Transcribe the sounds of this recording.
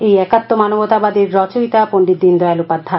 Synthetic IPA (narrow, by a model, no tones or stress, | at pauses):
ejɛkat̪ːomanobot̪abad̪iɾːɔt͡ɕojt̪apoɳɖid̪ːind̪ɔjalupad̪ʱːa